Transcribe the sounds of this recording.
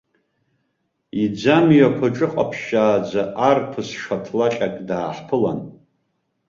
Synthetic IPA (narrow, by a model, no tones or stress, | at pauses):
id͡zamjakʷʰaʈ͡ʂʼɨqʼa̰pʰʃaːd͡zaʔarpʰɨsʂatʰlat͡ʃʲʼakʼdaːħpʰɨla̰n